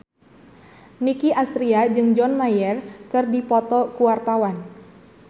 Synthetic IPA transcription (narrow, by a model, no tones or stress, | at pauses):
nikiʔast̪ɾiad͡ʒɨŋd͡ʒɔnmajɛrkɨrdipɔt̪ɔkuwart̪awan